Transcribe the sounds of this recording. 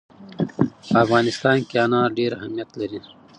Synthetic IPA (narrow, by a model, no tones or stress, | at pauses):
ɐfɣaːnɪst̪aːnkiaːnãːɖeːɾɐɦɐmijɐt̪lɐɾĩː